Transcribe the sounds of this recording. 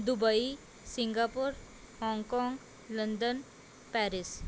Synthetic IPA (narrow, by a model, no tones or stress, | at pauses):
d̪ubəi | siŋɡapuɾ | hɔ̃ŋkɔ̃ŋɡ | lənd̪ən | pɛːɾis